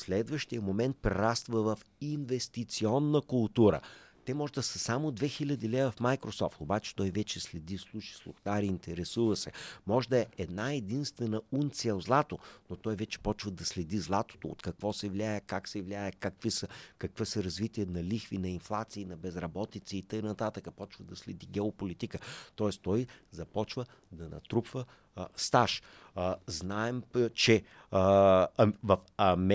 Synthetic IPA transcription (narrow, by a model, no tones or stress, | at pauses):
slɛd̪vəʃt̪ijəmomɛnt̪̚pɾɛɾast̪vəvɐfinvɛst̪it̪siɔnːəkʊlˠt̪uɾə̰t̪ɛmɔʒɛd̪ɐsɐsamod̪vɛxilʲəd̪ilɛvəfmajkɾosɔft̪obat͡ʃɛ̥t̪ɔjvɛt͡ʃɛslɛd̪islˠuʃi̥slˠʊxt̪aɾiːnt̪ɛɾɛsuvəsɛmɔʒd̪əɛɛd̪naɛd̪inst̪vɛnəunt̪siɛlˠzlˠat̪onot̪ɔjvɛt͡ʃɛ̥pɔt͡ʃvɐd̪ɐslɛd̪izlˠat̪o̥t̪oo̰t̪kɐkvɔsɛvlʲajɛkaksɛvlʲajəkɐkvisəkɐkvəsəɾɐzvit̪iɛnɐlixvinɐinflˠat̪siːnɐbɛzɾɐbɔt̪it̪siːt̪əjnɐt̪at̪əkəpɔt͡ʃvəd̪ɐslɛd̪iɡɛopolit̪ikət̪ɔɛst̪ɔjzɐpɔt͡ʃvə | d̪ɐnɐ̰t̪ɾupvə | st̪aʃ | znaɛmt͡ʃɛ | ɐvɐfɐmɛ